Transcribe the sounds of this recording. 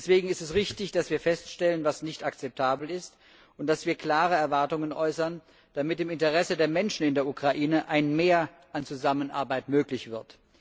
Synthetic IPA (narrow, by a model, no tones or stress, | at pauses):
dɛsv̥eːɡŋ̩ɪstɛsʁɪçtɪçd̥asv̥iːɐfɛstʃtɛlənvasnɪçtakt͡sɛp̚tʰaːbl̩ɪst | ʊntd̥asv̥iːɐkl̥aːʁəɛɐvaɐtʊŋənʔɔʏsɐn | d̥amɪtɪmɪntəʁɛsədeːɐmɛnʃn̩ɪndeːɐʔukʁ̥aʔiːnəʔaɪnmeːɐ | ʔant͡suzamənʔa̰ɐbaɪtmøːklɪçv̥ɪɐt